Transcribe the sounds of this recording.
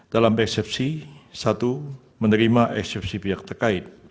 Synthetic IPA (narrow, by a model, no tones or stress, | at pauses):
d̥alamɛksɛp̚sisat̪u | mənəɾimaʔɛksɛp̚sipiak̚t̪ərkaɪt̪̚